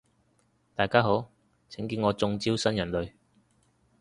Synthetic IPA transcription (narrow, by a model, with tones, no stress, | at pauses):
t̪aː˨jkaː˥ɦo˨˥w | t͡sʰɪ˨˥ŋkiː˧nŋɔː˨˧t͡sʊ˧ŋt͡siː˥wsɐ˥njɐ˨˩nlɵ˨˧ɥ